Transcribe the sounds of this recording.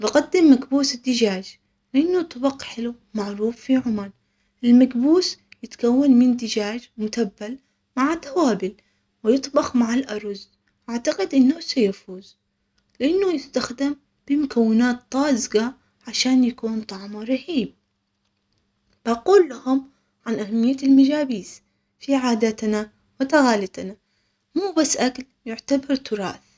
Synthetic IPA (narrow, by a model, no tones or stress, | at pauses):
bɪɡad̪ːɪmːaɡbuːsɪd̪ːɪd͡ʒaːd͡ʒ | lɪʔanːʊt̪ˤɑbɑqħɪlu | maʕɾuːfːiʕʊmal | ʔɪlmaɡbuːsjɪt̪kawːanmɪnd̪ɪd͡ʒaːd͡ʒmʊt̪abːal | maʕat̪ːawaːbɪl | wɪjɨt̪ˤbɑxmaʕalʔɑɾˤz | ʔaʕt̪aqɪd̪ʔɪnːʊsajafuːz̥ | lɪʔanːajɪst̪axd̪ɪm | b̥ɪmʊkawːɪnaːt̪ːˤɑːzɡa | ʕaʃaːnjakuːnt̪ˤɑʕmaɾˤɑhiːb̚ | b̥aquːlːahʊm | ʕanʔahamːɪjːaɪlmad͡ʒaːbiːs | fiʕaːd̪at̪na | wɪt̪aɣaːlɪt̪na | muːbasːʔakl | jʊʕt̪abɑɾˤt̪ʊɾˤɑ̰ːθ